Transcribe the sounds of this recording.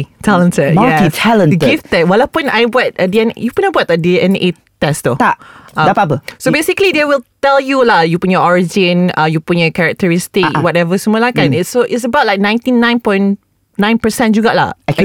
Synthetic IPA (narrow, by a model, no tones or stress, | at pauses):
tʰalə̃ntəd̚maltitʰalə̃nɡiftɛt̚walapuna̰jbwɔt̚ədiɛn̰jupunabɔtədiɛ̃ne | t̪ɛst̪utaʔãapapəsobesikəlidɛwilt̪ɛljulajupʊnjɔɔɹid͡ʒɪ̃nãjupʊnjɔkɛɹɛk̚təɹɪstɪkwɔtɛvəsəmuəlakãnɪtsoʔɪts̬əbaʊt̚lajk̚nãj̃ntinãj̃npɔ̃jn | nãj̃npəsɛ̃nd͡ʒuɡaʔla̰